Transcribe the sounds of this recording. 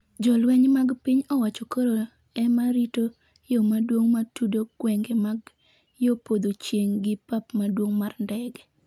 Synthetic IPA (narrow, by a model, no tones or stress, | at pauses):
d͡ʒɔlwɛɲmaɡpiɲɔwat͡ʃɔkoɾo | ɛmaɾito | jomadwoŋmatudoɡwɛŋɡɛmaɡ | jopod̪ot͡ʃjeŋɡɪpapmadwoŋmarndɛɡɛ